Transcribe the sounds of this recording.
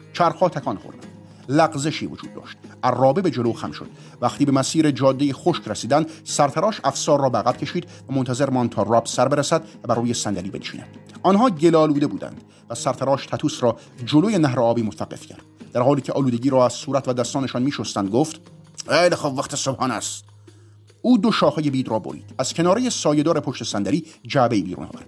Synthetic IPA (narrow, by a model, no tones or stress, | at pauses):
t͡ʃʰæɾxɒːt̪ʰækʰɒːnxoɾd̪æ̰nd̪̥ | læɡze̞ʃiːvo̰d͡ʒṵːd̪ːɒ̰ːʃt̪̚ærːɒːbebed͡ʒe̞loxæ̰mʃod̪̥ | væxt̪iːbemæsiːɾed͡ʒɒːd̪ːejexoʃkɾæsiːd̪ænd̪sæɾt̪ʰæɾɒːʃæfsɒːɾrːɔːbeæɣæb̥cʰe̞ʃiːd̪ | væmont̪ʰæze̞ɾmɒːnd̪t̪ʰɒːrɒːb̥sæɾbe̞ɾæsæd̪væbæɾuːjesænd̪æliːbenʃḭːnæ̰d̪̥ɒːnɦɒːɟe̞lɒːluːd̪e̞buːd̪æ̰nd̪̥ | væsæɾt̪ʰæɾɒːʃt̪ʰæt̪ʰuːsɾɒː | d͡ʒolojenæɦɾeɒːbiːmot̪ʰævæɡːe̞̰fcʰæ̰ɾd̪̥d̪æɾhɒːliːcʰeʔɒːluːd̪e̞ɟiːɾɒːæz̥suːɾæt̪ʰvæd̪æst̪ɒːneʃɒːnmiːʃost̪ænd̪̚ɡoːft̪ | ejlexobvæχt̪ʰesobhɒːnæst̪ | uːd̪oʃɒːhɒːjebiːd̪rɒːbo̰ɾḭːd̪̥æz̥cʰenɒːɾejesɒːjed̪ɒːɾe̞pʰoʃt̪e̞sænd̪æɾiːd͡ʒæbe̞iːbḭːɾṵnɒ̰ːvæ̰ɾd̪